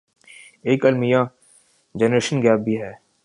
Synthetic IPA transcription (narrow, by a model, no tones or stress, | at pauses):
eːkɐlmija | d͡ʒɛːnɾeːʃənɡɛːp̚bʱiɦɛː